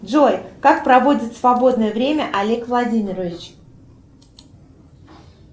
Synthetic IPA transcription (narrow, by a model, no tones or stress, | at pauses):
ʐojʲkak̚pɾɐvo̞dʲɪt̪svɐbo̞d̪nəjəvɾʲemʲəʔɐlʲe̞kvlˠɐdʲimʲɪɾəvʲɪt͡ɕ